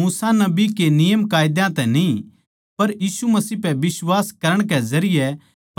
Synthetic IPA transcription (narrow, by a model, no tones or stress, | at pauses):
uːsanɐbikenɪjəmkaːjd̪jãt̪ɛnĩ | pɐɾjiːsumɐsiːpɛʋɪswaːskɐɾəɽ̃kɛzɐɾɪjɛ